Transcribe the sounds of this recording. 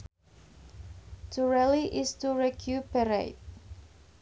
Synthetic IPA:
tʰuɹɛliʔistuɹɛkʰjupəɾḛt̚

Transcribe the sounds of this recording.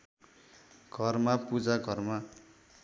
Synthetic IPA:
ɡ̥ʱʌrmapud͡zaɡʱʌrma

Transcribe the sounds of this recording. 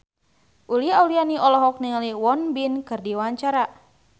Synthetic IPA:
ʔuliaulianiʔɔlɔɦɔk̚niŋliwɔnbinkɨrdiwaɲt͡ʃaɾa

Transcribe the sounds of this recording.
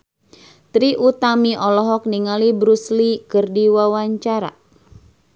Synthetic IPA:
t̪ɾiʔut̪amiʔɔlɔɦɔk̚niŋalibɾuslikɨrdiwawaɲt͡ʃaɾa̰

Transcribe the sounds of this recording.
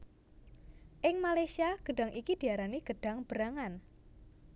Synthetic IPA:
ʔɪŋmalajsiaɡ̥ə̤ɖa̤ŋʔikid̪̥i̤aɾaniɡ̥ə̤ɖ̥a̤ŋb̥əɾaŋan

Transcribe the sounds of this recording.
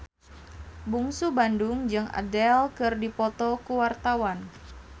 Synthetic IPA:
buŋsubandʊŋd͡ʒɨŋa̰dɛlkɨrdipɔt̪ɔkuwart̪awan

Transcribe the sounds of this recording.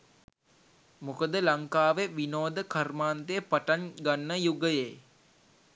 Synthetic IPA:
mukəd̪əlaŋkaːʋeʋinoːd̪əkarmaːnd̪ejəpaʈanɡanːəjuɡəje

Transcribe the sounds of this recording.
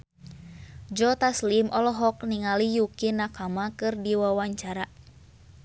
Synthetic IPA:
d͡ʒɔt̪aslimʔɔlɔɦɔk̚niŋalijukinakamakɨrdiwawaɲt͡ʃaɾa

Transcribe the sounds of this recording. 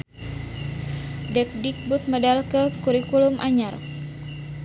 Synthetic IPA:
dɛk̚dik̚but̪̚madalkəkuɾikulumʔaɲar

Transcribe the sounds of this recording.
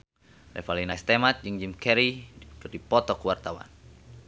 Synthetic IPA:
lɛ̰falinast̪ɛmat̪̚d͡ʒɨŋd͡ʒimkɛɾikərdipɔt̪ɔkwart̪awa̰n

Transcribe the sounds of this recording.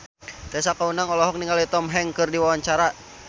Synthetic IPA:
t̪ɛsakaunaŋɔlɔɦɔk̚niŋɡalit̪ɔmɦɛŋkɨrdiwawaɲt͡ʃaɾa

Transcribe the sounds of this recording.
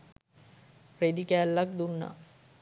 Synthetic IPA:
pred̪ikæːlːak̚d̪unːa̰

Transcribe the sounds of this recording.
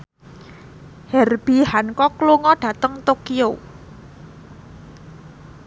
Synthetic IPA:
hɛrb̥ihankɔkloŋɔɖ̥ä̤t̪əŋt̪okio

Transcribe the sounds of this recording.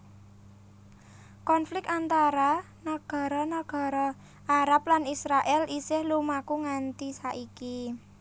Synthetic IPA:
kɔnflɪk̚k̪ant̪aɾa | naɡ̥a̤ɾɔnaɡ̥a̤ɾɔ | ʔaɾap̚lanisɾaʔɛlisɪhlumakuŋant̪isaʔiki

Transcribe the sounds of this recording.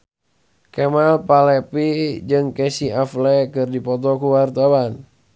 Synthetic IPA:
kɛmalpalɛpid͡ʒɨŋkɛsiaflɛkɨrdipɔt̪ɔkuwart̪awan

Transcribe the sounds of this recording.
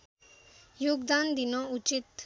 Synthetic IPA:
joːɡd̪aːnd̪inɔ̃ut͡ʃit̪

